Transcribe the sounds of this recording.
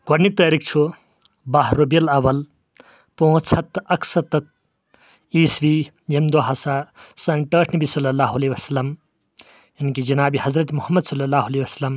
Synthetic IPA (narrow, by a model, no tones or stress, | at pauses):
ɡɐɾnik̚t̪aːɾik̚ʰt͡ʃʰu | baɦɾobijɐlɐʋɐl | poɦũt͡sʰɐt̪ɐkʰsɐt̪ːɐt̪̚ | iːsʋi | jemd̪oɦasasɐnʈɐːʈʰnɐbisɐlːɐlaːɦuɐleːʋɐsɐlɐm | jɐnkid͡ʒɐnaːbihɐzɾɐt̪muhɐmːɐd̪sɐlːɐlaːɦuɐleʋɐsɐlɐm